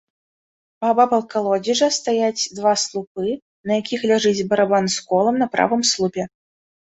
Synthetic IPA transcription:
pabapɐlˠkalˠɔd͡zʲiʐɐst̪ajat͡sʲd̪vaslˠupɨ | nɐjakʲixlʲaʐɨd͡zʲbɐɾabanskɔlˠɐmnɐpɾa̰vɨmslˠupʲɛ

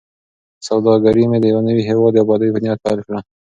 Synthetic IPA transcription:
sawd̪ɑɡaɾimed̪əjawanəwiɦewɑd̪ːabɑd̪əjbʊnjɑd̪̚pɑ̰lkɽa

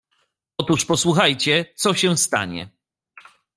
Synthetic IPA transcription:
ɔt̪uʂpɔswuxajt͡ɕɛt̪sɔɕɛ̃st̪a̰ɲɛ̰

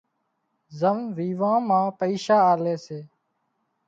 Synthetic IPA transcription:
zəmʋiːʋãːmãːpəiːʃaːaːleːseː

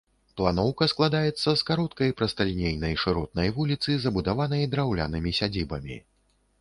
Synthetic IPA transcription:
plˠanɔwkɐsklˠad̪ajɛt̪sːɐskaɾɔt̪kɐjpɾɐst̪ɐlʲinʲejnɐjʂɨɾɔt̪̚nɐjvulʲit̪sɨzɐbud̪avanɐjd̪ɾawlʲa̰nɨmʲisʲad͡zʲibɐmʲḭ

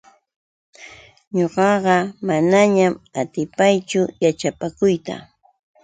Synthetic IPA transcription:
ɲoɢɑɢɑmanaɲamat̪ɪpajt͡ʃʊjat͡ʃapakʊjt̪a̰

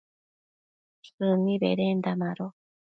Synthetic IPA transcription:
ɯnːibḛɾend̪amaɾo

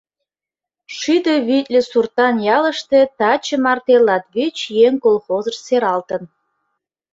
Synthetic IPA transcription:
ʃyd̪əβit̪ʲlʲĕsurt̪ɑnjɑlə̆ʃt̪et̪ɑt͡ɕəmɑrt̪elɑt̪βit͡ɕjeŋkolˠxozəʃseɾɑlt̪ə̆n

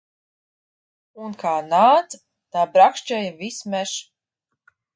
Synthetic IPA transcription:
unkaːnaːt̪s | t̪aːbɾakʃt͡ʃɛjvismɛʃ

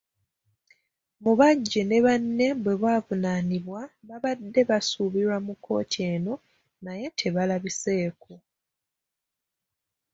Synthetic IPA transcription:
muβaɟːene̞βanːe̞βwe̞βwaːvunaːniβwaβaβadːe̞βasuβiɾwamukʰːo̞̰ːtʰie̞ːno̞ | naje̞tʰe̞βalaβise̞ːko

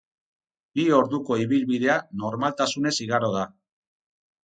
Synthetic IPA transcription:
bio̞ɾðuko̞iβilβiðe̞ano̞ɾmalt̪asune̞siɣaɾo̞ða

